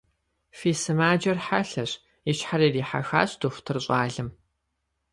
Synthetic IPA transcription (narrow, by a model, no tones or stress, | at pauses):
fiːsɨmaːd͡ʒɐrħaɬɐɕ | ɪɕħaɾiːriːħa̰xa̰ːɕd̥oxʷtʰɨrɕʷʼaːɮɨm